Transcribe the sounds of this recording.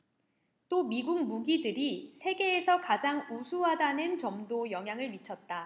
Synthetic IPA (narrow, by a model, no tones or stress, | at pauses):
t͈omiɡuŋ̚muɡidɯɾisʰe̞ɡe̞ːsʰʌkad͡ʑaŋusʰuɦadanɯnt͡ɕʌmdojʌŋɦjaŋɯɭmit͡ɕʰʌt̚t͈a